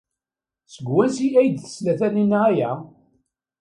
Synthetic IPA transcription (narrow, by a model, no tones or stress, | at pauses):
səɡwænsiæjd̪θə̥slæθæninːææjæ